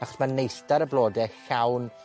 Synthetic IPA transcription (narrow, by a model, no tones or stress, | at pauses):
aχɔ̥smanːejɬtaɾəblˠoːdɛçawn